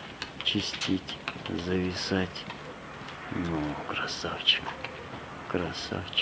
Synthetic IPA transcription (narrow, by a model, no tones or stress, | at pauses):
t͡ʃɪsʲtʲitʲzɐvʲɪsatʲ | nukɾasaft͡ʃk | kɾasa̰ft͡ʃ